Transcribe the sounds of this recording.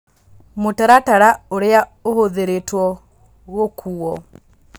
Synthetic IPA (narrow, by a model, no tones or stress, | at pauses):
motaɾataɾaoɾeaohoðeɾetwɔ | ɣokʰuɔ